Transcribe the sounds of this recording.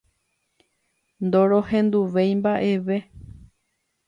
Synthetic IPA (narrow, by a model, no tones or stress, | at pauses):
nd̪o̞ɾo̞hẽ̞nd̪uʋe̞jmbaʔe̞ʋe̞